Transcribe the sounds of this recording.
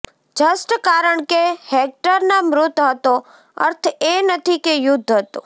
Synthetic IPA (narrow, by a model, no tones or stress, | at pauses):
d͡ʒəsʈkaɾəɳkehek̚ʈəɾnamɾʊt̪ɦət̪o | ə̰ɾt̪ʰenət̪ʰikejʊd̪ʱːɦət̪o